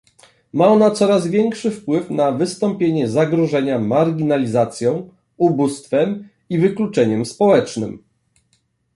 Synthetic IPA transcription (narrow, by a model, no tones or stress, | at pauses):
maɔnat̪sɔɾazvʲjɛŋkʂɘfpwɘfnavɘst̪ɔmpʲjeɲɛzaɡɾɔʐɛɲamaɾɡʲinalʲizat̪sʲjɔ̃w̃ | ubust̪fɛm | ivɘklut͡ʂɛɲɛmspɔwɛt͡ʂnɘm